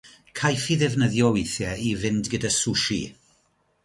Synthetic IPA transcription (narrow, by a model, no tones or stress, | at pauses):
kʰajfiðɛvnəðjɔwejθjɛivɪndɡədasuʃḭ